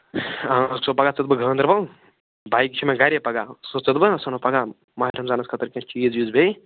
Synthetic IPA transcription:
asopɐɡat͡sɨt̪̚bɨɡʱɐːnd̪ɾbɐ | baːikit͡ʃʰimẽɡɐɾʲjepɐɡasot͡sɨt̪bɨsɐnopɐɡa | maɦɾɐmzaːnɐskʰət̪ɐɾkʲẽt͡ʃiːzjuzbe

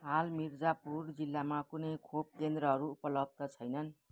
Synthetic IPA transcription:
ɦalmird͡zapurd͡zilːamakunʌjkʰob̚kend̪rʌɦʌɾuːpʌlʌb̚d̪ʱʌt͡sʰʌjnʌn

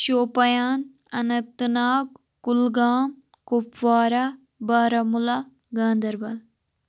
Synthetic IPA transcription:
ʃoːpɐjaːn | ɐ̰nɐt̪naːk | kːulɡaːm | kopʋaːɾa | baːɾɐmula | ɡãːnd̪ɐɾbɐl

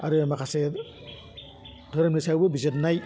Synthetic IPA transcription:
aɾɯmakʰase | dʱɔɾɐmisawbɯbizetnaj

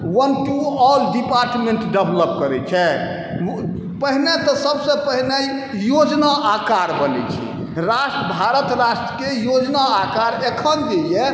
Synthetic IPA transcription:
wənʈuɔlɖipaɾʈmeɳʈɖəbləp̚kəɾɛt͡ʃʰɛ | pəɦnet̪ɔsəbsə̃pəɦne | jod͡ʒnaʔakaɾbənɛ̰t͡ʃʰḭ | ɾaʃʈb̪ʱaɾət̪ɾaʃʈɾəkejod͡ʒnaakaɾekʰənd̪eje

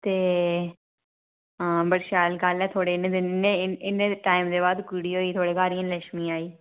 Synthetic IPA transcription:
t̪eː | əbəɽʃaːlɡəlɛːt̪ʰoːɽeːneːd̪ɪnɪnːeɪnːẽːʈaːɪmd̪eːbaːd̪kʊːɽiːɦoːiːt̪ʰoːɽeːkaːɾijãːləʃmĩːaːiː

